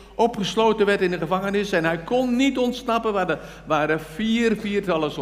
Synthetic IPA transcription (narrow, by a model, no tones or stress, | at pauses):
ʔɔpχəsloːtənʋɛrtɪndəχəvaŋənɪsɛnɦɛjkʰɔnːitɔntsnɑpənʋadə | ʋaːɾəfiːrfiːrtɑlˠəs